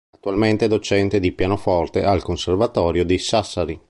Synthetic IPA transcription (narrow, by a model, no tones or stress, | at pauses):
at̪ːualment̪ed̪ot͡ʃɛnt̪ed̪ipjaːnofɔrt̪ealkonservat̪ɔːɾjod̪isasːaɾi